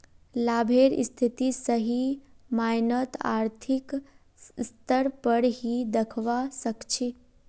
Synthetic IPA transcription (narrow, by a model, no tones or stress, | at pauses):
labʱeɾ̰st̪ʰit̪isəɦi | majnət̪a̰ːɾt̪ʰik | st̪əɾpəɾɦid̪əkʰʋasəkt͡ʃʰi